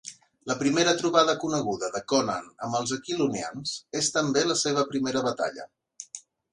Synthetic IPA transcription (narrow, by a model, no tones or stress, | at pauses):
ləpɾimeɾət̪ɾuβaðəkunəɣ̞uðəðəkɔnə̰nə̰məlˠzəkilunia̰nz̥est̪əmbeləseβ̞əpɾimeɾəβət̪a̰ʎə̰